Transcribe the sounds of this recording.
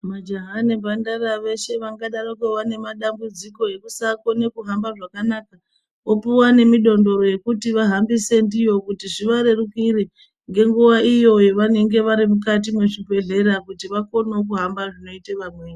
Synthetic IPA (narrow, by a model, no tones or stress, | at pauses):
mad͡ʒaɦanebandaɾaʋe̞ʃe̞ʋaŋɡaɗaɾokeʋane̞maɗambud͡ziko̞e̞kusako̞ne̞kuɦambaʐakanaːka | opuwane̞miɗo̞ndo̞ɾo̞je̞kutiʋaɦambise̞ndijo̞kutiʐiʋaɾe̞rukiɾe | ŋɡe̞ŋɡuwaijo̞jeʋane̞ŋɡe̞ʋaɾimukat̬imwe̞ʐipe̞ɮe̞ɾakutiʋako̞nok̬uɦambaʐino̞iteʋamweː